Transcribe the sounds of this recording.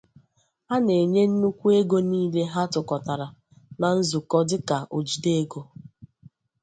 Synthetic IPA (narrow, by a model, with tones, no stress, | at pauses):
a˦ne˨ɲe˦n̩˦nu˦kʷu˦e˦ɡo˦niː˦le˦ɦa˦tʊ˨kɔ˨ta˨ɾa˨ | na˨n̩˦zʊ˨kɔ˦dɪ˦ka˨ʔo˨d͡ʒi˨de˦ɡo˦